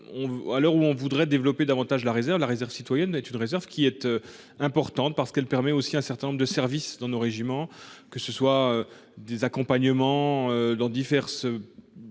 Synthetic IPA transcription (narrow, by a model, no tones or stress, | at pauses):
ɔ̃valœʁuɔ̃vud̪ʁɛd̪evlɔped̪avɑ̃t̪aʒlaʁezɛʁvlaʁezɛʁvsit̪wajɛnɛt̪ynʁezɛʁvkʲiɛt̪ø | ɛ̃pɔʁt̪ɑ̃t̪̚paʁsə̥kɛlpɛʁmɛosiɛ̃sɛʁt̪ɛ̃nɔ̃ʁd̪əsɛʁvisd̪ɑ̃noʁeʒimɑ̃kəsəswaø | d̪ezakɔ̃paɲəmɑ̃ød̪ɑ̃d̪ifɛʁsø